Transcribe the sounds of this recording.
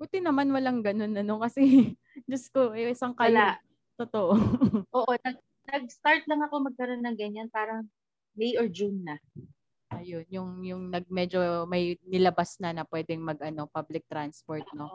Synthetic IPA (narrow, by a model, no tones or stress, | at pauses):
but̪ɪnɐmanwɐlaŋɡɐno̞nɐno̞kɐsɛ | d͡ʒɐskoʔʔɪsɐŋkajla | t̪ot̪oʔoʔoːʔonɐɡ̚ | nɐɡ̚st̪aɹt̪lɐŋɐko̞mɐɡ̚kɐɾo̞nːɐŋɡɐɲanpaːɾɐŋ | mejoɹd͡ʒunːɐ | ʔɐjonjʊŋjʊŋnɐɡ̚mɛd͡ʒo̞mɐjnɪlɐbasnɐnɐpwɛd̪ɛŋmɐɡʔɐno̞pablɪk̚t̪ɾanspoɹt̪̚no̞